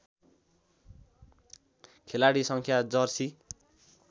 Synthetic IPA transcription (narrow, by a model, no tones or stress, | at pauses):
kʰelaɽisʌŋkʰjad͡zʌrsi